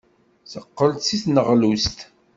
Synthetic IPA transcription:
θəqːəlt̪siθnəʁlust̪

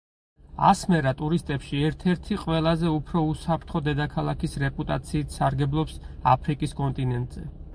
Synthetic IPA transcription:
a̰smɛɾat̪ʼuɾist̪ʼɛpʃiɛɾt̪ʰɛɾt̪ʰiqʼwɛlˠazɛupʰɾɔusapʰɾt̪ʰχɔd̪ɛd̪akʰalˠakʰisɾɛpʼut̪ʼa̰t̪sʰiːt̪ʰsaɾɡɛblˠɔpsa̰pʰɾikʼiskʼɔnt̪ʼinɛnt̪ʼz̥ɛ

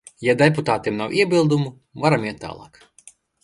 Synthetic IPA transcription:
jad̪ɛput̪aːt̪iɛmnawʔiɛbʲilˠd̪umu | vaɾamjiɛt̪ːa̰ːlˠɑ̰ːk

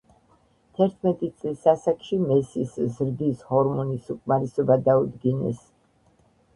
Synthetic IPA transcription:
t̪ʰɛɾt̪ʰmɛt̪ʼit̪sʼlisasakʼʃimɛsiszɾd̪ishɔɾmɔnisukʼmaɾɛsɔbad̪aud̪ɡinɛ̰s

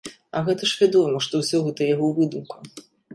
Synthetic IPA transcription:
ɐɣɛt̪ɐʂvʲad̪ɔmɐʂt̪ɔwsʲɔɣɛt̪ɐjaɣɔwvɨd̪umku

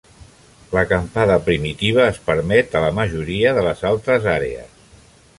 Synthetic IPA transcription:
ləkəmpaðəpɾimit̪iβ̞əːspəɾmɛt̪ələməʒuɾiəðələzalˠt̪ɾəzaɾḛə̰s

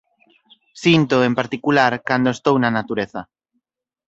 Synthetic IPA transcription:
sint̪oempaɾt̪ikulaɾkand̪oest̪ownanat̪uɾeθa

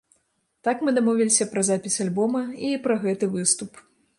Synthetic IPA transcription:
t̪akmɨd̪amɔvʲilʲisʲɐpɾɐzapʲisʲalʲbɔmɐipɾɐɣɛt̪ɨvɨst̪up

